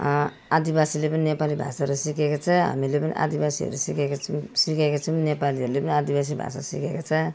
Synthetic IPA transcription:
ad̪ibasilepʌninepalibʱa̰saɾusikekot͡sʰʌɦa̰milepʌnḭʔa̰d̪ibasiɦʌ̰ɾusikaksikakot͡sʰʌwnepaliɦʌɾulepʌniad̪ibas̬ibʱa̰sa̰sikekot͡sʰʌ

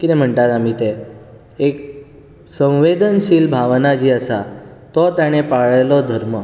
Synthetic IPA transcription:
kinem̤əɳʈ̪at̪amiːt̪e | ek̚ | sə̃w̃ʋed̪ənɕiːlbʱaʋnad͡ʑiːəsat̪ɔt̪jaɽ̃epaɭəjlɔd̪ʱəɾmə

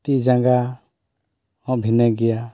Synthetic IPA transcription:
t̪id͡ʒaɡa | ɔ̃ʔbʱinɛɡɛja

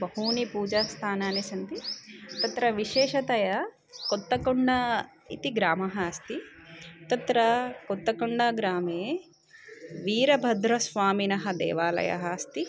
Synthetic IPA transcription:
bɐɦuːnipuːd͡ʒaːst̪ʰaːnaːnisɐnt̪it̪ɐt̪ɾɐʋiʃeːʃɐt̪ɐjɐ | kot̪ːɐkuɳɖɐ | ḭt̪iɡɾaːmɐɦɐːst̪it̪ɐt̪ɾɐkot̪ːɐkuɳɖɐɡɾaːmeː | ʋiːɾɐbʱɐd̪ɾɐsʋaːminɐɦɐd̪ḛːʋaːlɐ̰jɐ̰ɦɐːst̪i

